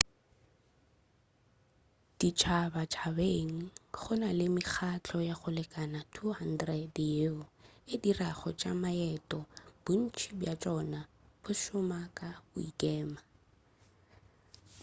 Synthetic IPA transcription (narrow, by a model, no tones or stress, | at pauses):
d̥it͡ʃʰabat͡ʃʰabeŋ̩χʊnalɪmɪχʰat͡ɬʰɔjaχʊlɛkʼanatʰuhan̩drɛdjeʊɪdiraχɔt͡ʃʼamaɛtʼɔb̥ʊn̩t͡ʃʰibjat͡ʃʼɔnab̥ʊʃʊmakʼaʊ̰ikʼɛːma